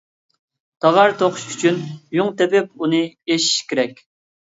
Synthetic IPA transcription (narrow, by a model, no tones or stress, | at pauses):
t̪ʰɑʁɑɾt̪ʰoqʰʊ̥ʃy̥t͡ʃʰynjuŋt̪ɛpɪp̚unɨeʃi̥ʃkʲeɾɛkʲ